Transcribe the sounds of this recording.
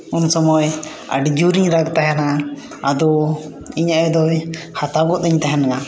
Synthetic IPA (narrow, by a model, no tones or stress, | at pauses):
unsɔmɔj | a̰ɖd͡ʒuɾiɲɾaɡt̪aɦɛna | ad̪ɔ | iɲaʔɛd̪ɔj | hat̪aɡɔʔ̪t̪ɛɲt̪aɦɛnaŋa